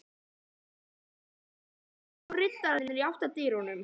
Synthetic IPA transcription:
rɪt̪ːaɾɪnɪɾiawht̪at̪iːɾunʏm

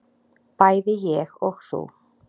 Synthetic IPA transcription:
pajðɪjɛɣɔɣθṵ

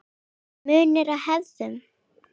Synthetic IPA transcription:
mʏːnɪɾaðhɛððʏm

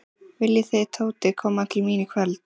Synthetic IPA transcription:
vɪljɪθejðt̪ʰoːwt̪ɪkʰɔːmḁt̪ʰɪlmiːnɪkʰvɛlt̪

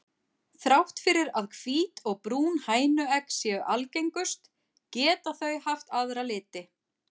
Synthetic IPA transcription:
θɾawht̪fɪɾɪɾaðkʰv̥iːt̪ʰɔɣpɾuːnhaːjnʏɛksjɛːɣʏʔalcejŋkʏst̪ | cɛːt̪aθœɥhaft̪aðɾalɪːt̪ɪ

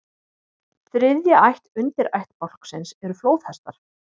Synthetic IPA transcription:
θɾɪðjaajht̪ʏnt̪ɪɾajht̪pɔl̥ksɪnsɛɾʏfloːwθhɛst̪aɾ̥

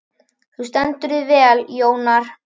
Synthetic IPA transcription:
θust̪ɛnt̪ʏɾɪðvɛːljoːwnaɾ̥

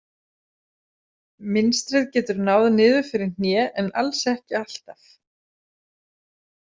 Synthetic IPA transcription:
mɪnst̪ɾɪðcɛːt̪ʏɾnawðnɪːðʏ̥fɪɾɪ̥n̥jɛːʔɛna̰lsɛhcɪal̥t̪af

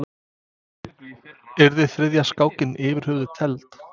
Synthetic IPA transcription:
ɛɾðɪθɾɪðjaskaːwcɪnʔɪːvɪɾ̥hʏɣðɪt̪ʰɛlt̪

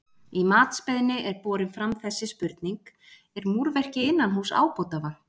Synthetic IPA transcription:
imaːt̪spɛðnɪʔɛɾpɔːɾɪnfɾamθɛsːɪspʏɾt̪niŋk | ɛɾmuɾvɛr̥cɪɪnːanɦuːsa̰ːwpɔwt̪ava

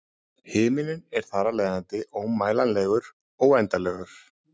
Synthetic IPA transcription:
hɪːmɪnɪnɛɾ̥θaɾalɛːjðant̪ɪʔowmːaːjlanlɛːɣʏɾ | ɔɣɛjnt̪alɛɣʏɾ̥

